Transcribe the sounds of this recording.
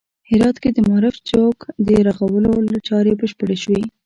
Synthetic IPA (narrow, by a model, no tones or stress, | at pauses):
hɪɾɑt̪ked̪əmaɾɪft͡ʃokd̪əɾaɣawəlolat͡ʃɑɾebəʃpəɽeʃwi